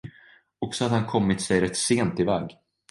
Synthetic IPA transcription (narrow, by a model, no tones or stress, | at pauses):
ɔksɔhad̪hankʰɔmːɪt̪sɛjɾɛt̪ːseːnt̪ɪvɛːɡ